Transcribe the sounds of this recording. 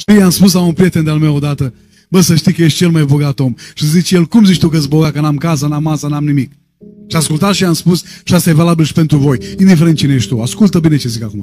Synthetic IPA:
ʃt̪ijamspus̬launpɾije̞t̪e̞nd̪ealmewod̪at̪ə | bəsəʃt̪ijkəje̞ʃt̪̚t͡ʃe̞lmajbo̞ɡat̪o̞mʃizit͡ʃjelkumzit͡ʃt̪ukəɨs̬ʲbo̞ɡat̪̚kənamkas̬ənamːasənamnimik̚ | ʃiaskult̪at̪ʃiamspusʃiast̪ajevalabilʃi̥pe̞nt̪ɾuvo̞jind̪ifeɾent̪̚t͡ʃineeʃt̪t̪uaskult̪əbine̞t͡ʃe̞zikakuma

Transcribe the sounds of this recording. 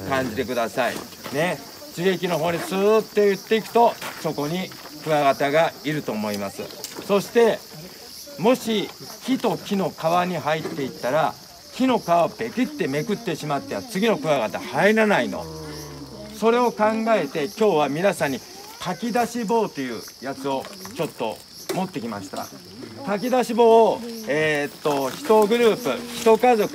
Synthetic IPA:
kãɲ̟d͡ʑit̪e̞kɯ̟d̪asaḭ | ne̞ | t͡ɕiɾekʲino̞ɦo̞ːɲ̟it͡sɨːt̪ːo̞jɯ̟t̪ːe̞ikɯ̥t̪o̞so̞ko̞ɲ̟i | kɯ̟aɡat̪aɡaiɾɯ̟t̪o̞ːmo̞imasɨ̰so̞ɕi̥t̪e̞ | mo̞ɕikʲit̪o̞kʲino̞kaβaɲ̟iɦait̪ːe̞it̪ːaɾa | kʲino̞kaβab̥e̞kʲit̪ːe̞me̞kɯ̟t̪ːe̞ɕimat̪ːeβat͡sɨɡʲino̞kɯ̟aɡat̪ahaeɾanaino̞̰ | so̞ɾe̞o̞kãŋɡae̞t̪e̞kʲo̞ːβamʲinasãɲ̟ːi | kakʲid̪aɕibo̞ːt̪e̞jɯ̟ː | jat͡sɨo̞t͡ɕo̞t̪ːo̞̰ | mo̞t̪ːe̞kʲima̰ɕi̥t̪a̰ | kak̬ʲid̪aɕibo̞ːeːt̪ːo̞çi̥t̪o̞ɡɯ̟ɾɯ̟ːpɯ̟̰çʲi̥t̪o̞kazo̞kɯ̥

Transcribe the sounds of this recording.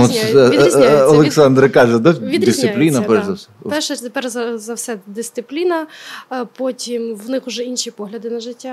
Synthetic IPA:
ɔt̪ɛɔlˠeksɑnd̪ɾɪkɑʒɛd̪ɐʋid̪ʲɪst̪ɪplʲinɐpɛrzɐwsɛpɛʃɛt̪epɛrzɐzɐwsɛd̪ɪst̪sɪplʲinɐpɔtʲimwnɪxʊʒɛinʃipɔɦlʲɐd̪ɪnɐʒɪtʲːa

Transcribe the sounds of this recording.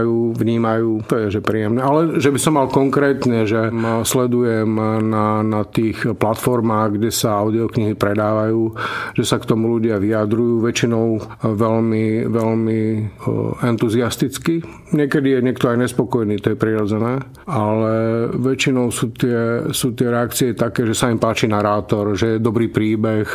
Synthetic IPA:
juːʋɲiːmajuːt̪ɔjɛʒɛpɾiːjɛmnɛalɛʒɛbisɔmːalkɔŋkɾɛːt̪ɲɛʒɛmslɛd̪ujɛmnanat̪iːxplat̪fɔɾmaːɣɡɟɛsaaʊd̪iɔkɲiɦipɾɛd̪aːʋajuːʒ̥ɛsakt̪ɔmuluɟɪaʋiad̪ɾujuːʋɛt͡ʃinɔʊ | ʋɛlmiʋɛlmi | ɛnt̪uziast̪it͡ski | ɲɪɛkɛd̪ijɛɲɪɛkt̪ɔajɲɛspɔkɔjniːt̪ɔjɛpɾiɾɔd͡zɛnɛː | alɛʋɛt͡ʃinɔʊsuːt̪ɪɛsuːt̪ɪɛɾɛakt͡siɛt̪akɛːʒɛsaimpaːt͡ʃinaɾaːt̪ɔɾʒɛjɛd̪ɔbɾiːpɾiːbɛx

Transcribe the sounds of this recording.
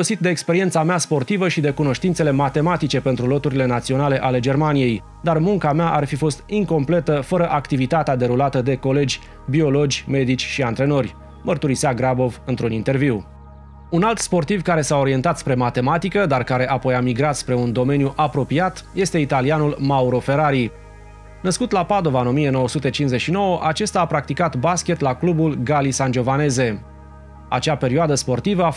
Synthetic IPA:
osit̪̚d̪e̞ːkspe̞ɾient̪sameaspo̞rt̪ivəʃid̪e̞kuno̞ʃt̪int̪sele̞mat̪e̞mat̪it͡ʃe̞pe̞nt̪ɾulo̞t̪uɾile̞nat̪sio̞nale̞ʔale̞d͡ʒe̞rmanije̞j | d̪armuŋkameaʔarfifo̞st̪iŋko̞mple̞t̪əfəɾəʔakt̪ivit̪at̪ead̪e̞ɾulat̪əd̪e̞ko̞le̞d͡ʒʲ | bio̞lo̞d͡ʒʲme̞d̪it͡ʃʲʃiant̪ɾe̞no̞rʲ | mərt̪uɾiseaɡɾabo̞vɨnt̪ɾunint̪e̞rviw | unalt̪spo̞rt̪ivkaɾe̞sao̞ɾie̞nt̪at̪spɾe̞mat̪e̞mat̪ikəd̪arkaɾe̞ʔapo̞jamiɡɾat̪spɾe̞und̪o̞me̞njuʔapɾo̞piat̪je̞st̪e̞it̪alianulmauɾo̞fe̞ɾaɾi | nəskut̪lapad̪o̞vaɨno̞mije̞no̞wəsut̪e̞t͡ʃinze̞ʃino̞wəʔat͡ʃe̞st̪aːpɾak̚t̪ikat̪baskʲe̞t̪laklubulɡalisand͡ʒo̞vane̞ze̞ | a̰t͡ʃape̞ɾioad̪əspo̞rt̪ivəa

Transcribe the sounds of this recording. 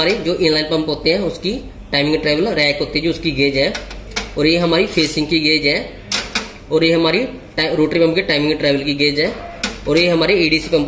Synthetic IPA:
aːɾed͡ʒoːʔɪ̃ːnlaːɪnpɐ̃mpɦoːt̪eɦɛ̃ʊski | ʈaːɪmɪ̃ŋɡʈɾɛːʋəlɾɛːkɦoːt̪iɦɛd͡ʒoʊskiɡeːd͡ʒaːɔːɾjeɦɐmaːɾipʰeːsɪ̃ŋɡ̚kiɡed͡ʒaɛː | ɔːɾjeɦɐmaːɾi | ʈɾoːʈɾipɐ̃mpkeʈaːɪmɪ̃ŋɡʈɾɛːʋəlkiɡeːd͡ʒaːɔːɾjeɦɐmaːɾeeːɖiːsipɐ̃mp

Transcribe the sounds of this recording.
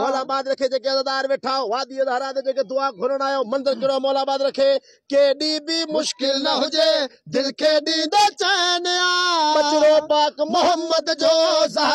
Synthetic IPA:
mɔːlaːbaːd̪ɾɐkʰeːd͡ʒeːkeɐd̪aːd̪aːɾʋeːʈʰaːoʋaːd̪iəd̪aːɾaːd̪ed͡ʒeːked̪ʊaːɡʱʊɾəɽ̃aːjoːmɐ̃nd̪əɾkɪɽomɔːlaːbaːd̪ɾɐkʰeː | keːɗiːbimʊʃkɪlnəɦʊd͡ʒeːd̪ɪlkʰeːɗĩːd̪aːt͡ʃəeneaːbət͡ʃɽoːpaːkmʊɦəmːəd̪d͡ʒoːz

